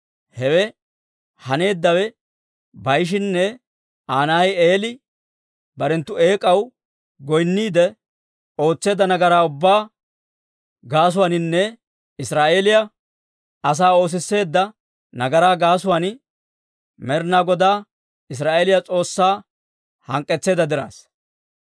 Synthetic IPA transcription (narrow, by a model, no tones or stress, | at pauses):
hɛwɛ | hɐne̞ːd̪ːɐwɛ | bɐjʃ̬ɪnːɛ | aːnaje̞ːlɪ | bɐɾɛnt̪ːʊe̞ːkʼɐw | ɡɔjnːiːd̪ɛ | o̞ːt͡sːe̞ːd̪ːɐnɐɡɐɾaːʊbːaː | ɡaːs̬ʊwaːnɪnːɛ | ɪsɾaːʔe̞ːlɪjɐ | ɐs̬aːo̞ːs̬ɪsːe̞ːd̪ːɐ | nɐɡɐɾaːɡaːsʊwan | mɛɾnaːɡɔd̪aː | ɪs̬ɾaːʔeːlɪjat͡sʼo̞ːsːaː | hɐŋkʼːɛt͡sːe̞ːd̪ɐd̪ɪɾa̰ːs